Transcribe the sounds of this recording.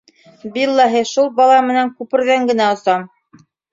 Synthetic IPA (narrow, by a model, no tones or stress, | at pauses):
bilˠːɑɦɘʃulˠbɑlˠɑmɘ̆næŋkʉpɘ̆ɾðæŋɡɘ̆næŏsɑm